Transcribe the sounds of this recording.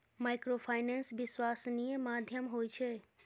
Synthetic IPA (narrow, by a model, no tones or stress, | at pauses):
majkɾopʰajnensʋɪswasnijəmad̪ʱjəmɦoːjt͡ʃʰe